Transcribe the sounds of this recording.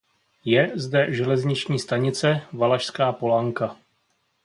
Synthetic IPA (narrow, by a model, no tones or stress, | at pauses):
jɛzdɛʒɛlɛzɲɪt͡ʃɲiːst̪aɲɪt͡sɛvalaʃskaːpo̞laŋka